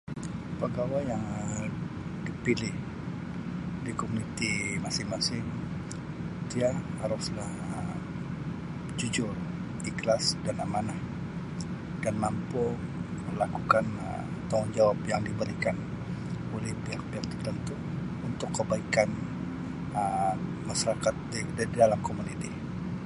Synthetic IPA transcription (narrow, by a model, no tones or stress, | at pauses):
pəɡawajjaŋ | dipilɪh | dikomunit̪imasɪmasɪh | t̪ijahaɾʊslah | d͡ʒud͡ʒʊr | iklasdanamanah | d̥anmampoməlakukan̰ | t̪aŋʊnd͡ʒawapjaŋdibəɾikan | olɛhpiakpjaŋt̪ərt̪ənt̪u | unt̪ʊkːəbaikan | ə | maʃaɾakat̪̚ddadalamkomunit̪i